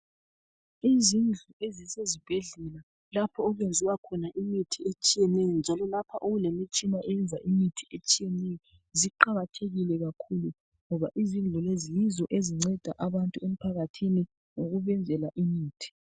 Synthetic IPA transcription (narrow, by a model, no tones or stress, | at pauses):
izind͡ɮʱuezisezib̥ʱeɮɛla | lapʰɔːɣwend͡zʱiwakʰɔnaʔimitʰiet͡ʃʼijɛnɛjɔnd͡ʒʱalɔlapʰaʔoɣulemit͡ʃʼimaʔɛɛnd͡zʱaʔimitʰiet͡ʃʼijɛnɛjɔ | ziǃaɣatʰeɣilɛɣakʰulu | ŋɔβaʔizind͡ɮʱulezijizɔʔeziŋ͡ǀɛd̥ʱa̰ʔaβantʼuem̩pʰaɣatʰini | ŋoɣuβɛnd͡zʱɛlaʔimiːtʰi̥